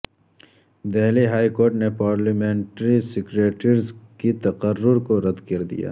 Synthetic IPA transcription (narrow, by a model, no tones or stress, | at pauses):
d̪eɦliɦaːikoːɾʈnepaːɾlɐmẽːɳʈɾisɪkɾeːʈəɾzkit̪ɐqərːʊɾkoɾɐd̪kɐɾd̪ḭja̰ː